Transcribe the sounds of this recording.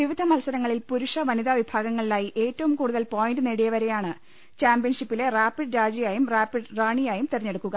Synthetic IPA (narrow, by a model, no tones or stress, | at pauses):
ʋiʋid̪ʱɐmɐlsɐɾɐŋːɐɭilpuɾuʂɐʋɐniðaʋibʱaːɡɐŋːɐɭilaːjiʔe̞ːtːɐʋumkuːɽuðɐlpoːjinɖɨneɽijɐʋɐɾe̞jaːɳɨ | t͡ɕaːmbijɐnʂipːile̞raːpːiɖɾaːd͡ʑijaːjumraːpːiɖraːɳijaːjumt̪irɐɲːe̞ɽukːuɣɐ